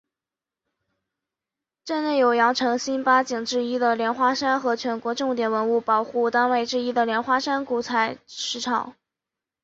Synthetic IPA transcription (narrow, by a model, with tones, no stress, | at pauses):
ʈ͡ʂa˥˧nne˥˩ɪjo˨˩ʊjɑ˧˥ŋʈ͡ʂʰɤ˧˥ŋɕi˥npa˥t͡ɕi˨˩ŋʈ͡ʂɻ̩˥˩i˥d̪ə˨ljɛ˧˥nxwa˥ʂa˥nxɤ˧˥t͡ɕʰɥɛ˧˥nkwɔ˧˥ʈ͡ʂʊ˥˩ŋt̪̬jɛ˨˩nwə˧˥nu˥˩pɑ˨˩ʊxu˥˩t̪a˥nwe˥˧ɪʈ͡ʂɻ̩˥˧i˥d̪ə˨ljɛ˧˥nxwa˥ʂa˥nku˧˥t͡sʰa˧˥ɪʂɻ̩˧˥ʈ͡ʂʰɑ̰˨˩˦ŋ